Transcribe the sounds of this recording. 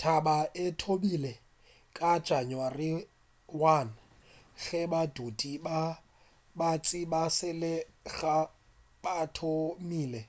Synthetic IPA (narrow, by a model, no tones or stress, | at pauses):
tʰabaʔɪtʰomilɛ | kʼad̥ʒ̥ʱanwari | wan̩ | ɣɛbadʱodiba | bat͡sʼibasɪlɪɣa | batʰomiːlɛ